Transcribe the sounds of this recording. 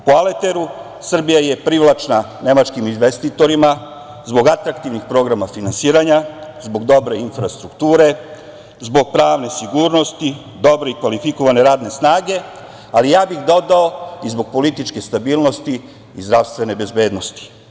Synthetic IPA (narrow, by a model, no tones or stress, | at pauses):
poalet̪e̞ɾu | sr̩bijaje̞pɾiʋlˠat͡ʃna | ne̞mat͡ʃkiminʋe̞st̪it̪o̞ɾima | zbo̞ɡat̪ɾakt̪iʋnixpɾo̞ɡɾamafinansiːɾaɲazbo̞ɡd̪o̞bɾe̞infɾast̪ɾukt̪uːɾe̞ | zbo̞ɡ̚pɾaːʋne̞siɡuːɾno̞st̪i | d̪o̞bɾe̞ikʋalifiko̞ʋane̞ɾaːd̪ne̞snaːɡe̞ | alijaːbixd̪o̞d̪aoizbo̞ɡ̚po̞lit̪it͡ʃke̞st̪abiːlˠno̞st̪iː | zd̪ɾaʋst̪ʋe̞ne̞be̞zbe̞ːd̪no̞st̪i̥